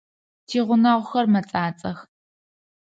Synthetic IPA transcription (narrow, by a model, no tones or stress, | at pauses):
tʰiːʁʷʊnɐʁʷʊxɐrmɐt͡sʼaːt͡sʼɐx